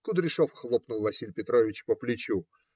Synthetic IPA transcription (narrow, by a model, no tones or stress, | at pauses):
kʊd̪ɾʲɪʂofxlˠopnʊlˠvɐsʲilʲpʲɪt̪ɾovʲɪt͡ɕpəplʲɪt͡ɕu